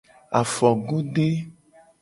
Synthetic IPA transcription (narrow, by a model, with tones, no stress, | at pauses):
a˨fɔ˨ɡu˦ɖe˦